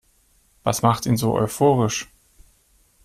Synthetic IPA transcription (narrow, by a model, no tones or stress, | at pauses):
v̥asmaχtiːnzoːʔɔ̰ʏfoːʁɪʃ